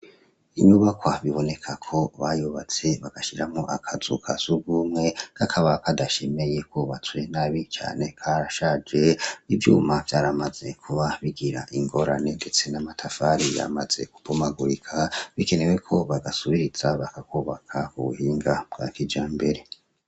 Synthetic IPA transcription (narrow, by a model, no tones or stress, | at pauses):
iɲuβakwaβiβo̞ne̞kʰakʰo̞βajuβat͡se̞βaɡ̥aʃiɾamŋoʔakʰazṵkʰazuɡumŋe̞kakʰaβakadaʃe̞me̞je̞kuβat͡swe̞naβit͡ʃa̰ːne̞kʰaɾaʃaːd͡ʒe̞ivjṵːmavjaːɾamaz̥e̞kʰuβaβiɡiɾa̰ʔiŋɡo̞ɾane̞nde̞t͡se̞namatʰafaɾija̰maz̥e̞̰ku̥b̥umaɡuɾikʰaβike̞ne̞wekʰo̞βaɡasuβiɾiz̥aβakakuβakʰaṵβṵhiːŋɡab̚ɡ̥akid͡ʒaːmbe̞ɾe̞